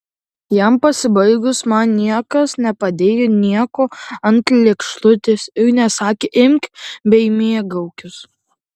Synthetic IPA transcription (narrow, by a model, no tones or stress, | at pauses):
jæmpɐsʲɪbɐɪɡʊsmɐnnʲiɛkɐsnʲɛpɐd̪ʲeːjonʲiɛkoːɐnt̪lʲekʃlˠʊt̪ʲɪsɪɾnʲɛsɑːkʲeʔɪmʲkbʲɛɪmʲiɛɡɐʊkʲʊs